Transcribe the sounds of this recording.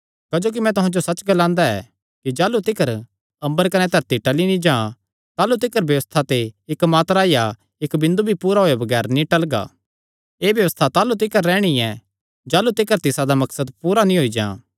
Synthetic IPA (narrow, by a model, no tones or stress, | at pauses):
kɐd͡ʒoːk̬imɛ̃t̪ʊɦãd͡ʒosɐt͡ʃɡɐlãːnd̪aɛ̰ | kid͡ʒaːlut̪ɪkəɾ | ɐ̃mbəɾkɐnɛt̪ɐɾt̪iʈɐlinĩd͡ʒãː | t̪aːlut̪̬ɪkəɾbjɐʋəst̪ʰat̪eɪkmaːt̪ɾaːija | ɪkbɪ̃nd̪ubʱipuːɾaɦoːjabɐɡɛːɾnĩʈɐlɡa̰ː | eːbjɐʋəst̪ʰat̪aːlut̪̬ɪkəɾːɛːɽ̃iɛ | d͡ʒaːlut̪ɪkəɾt̪ɪsad̪amɐksəd̪puːɾanĩɦoːid͡ʒãː